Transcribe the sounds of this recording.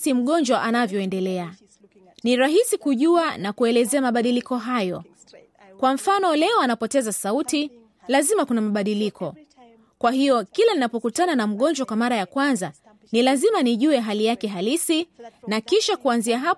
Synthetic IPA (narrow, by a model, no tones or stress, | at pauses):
im̩ɠɔɲd͡ʒwaʔanavjɔɛndɛlɛa | niɾaɦisikuʄuanakuɛlɛzɛamaɓaɗilikɔɦajɔ̰ | kwam̩fanɔlɛɔanapɔtɛzasauti | lazimakunamaɓaɗilikʰɔ | kwaɦijɔkilɛninapɔkutananam̩ɠɔɲd͡ʒwakwamaɾajakwanza | nilazimaniʄuɛɦalijakɛɦalisinakiʃakuanziaɦa